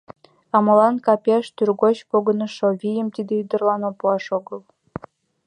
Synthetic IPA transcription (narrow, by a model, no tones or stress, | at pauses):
ɑmɤ̆lˠɑnkɑpʲeʃt̪yrɡot͡ɕpoɡɤ̆nɤ̆ʃovʲijə̆mt̪id̪ʲĕyd̪ɤ̆rlˠɑnopuɑʂoɡɤ̆lˠ